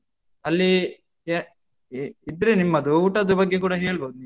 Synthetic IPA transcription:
ɐlːi | id̪ɾenimːɐd̪uuːʈɐd̪ɐbɐɡːe̞kuːɽɐɦe̞ːɭboːd̪uniːu

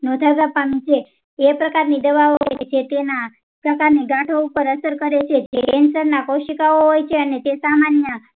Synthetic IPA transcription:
nɔd̪ʱaɡapanĩt͡ʃʰeː | pɾəkaɾnid̪əʋaoɦojet͡ʃʰet̪ena | pɾəkaɾniɡaʈʰoupəɾəsəɾkəɾet͡ʃʰed͡ʒeənsəɾnakoʃikaoɦojt͡ʃʰeənet̪esamanjə

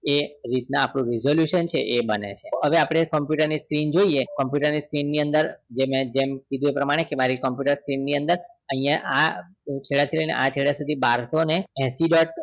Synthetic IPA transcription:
eɾit̪naːpɽ̃ũɾizoljuʃənt͡ʃʰḛʔebənḛt͡ʃʰeɦəʋeapɽ̃ekəmpjuʈəɾniskɾind͡ʒoiekəmpjuʈəɾniskɾinːiənd̪əɾd͡ʒemɛ̃d͡ʒemkid̪ũepɾəmaɽ̃ekemaɾikəmpjuʈəɾskɾinːiə̃nd̪əɾ | əɦĩjãʔa | t͡ʃʰeɭat̪ʰiləjnḛʔat͡ʃʰeɭjasud̪ʱibaɾsoneɛ̃siɖɔʈ̚

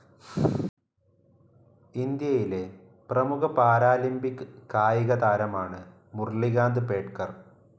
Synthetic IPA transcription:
ind̪jɐjile̞ | prɐmukɐpaːɾaːlimbikːɨkːaːjiɣɐðaːɾɐmaːɳɨ | murliɣaːnd̪ɨpe̞ːʈkɐr

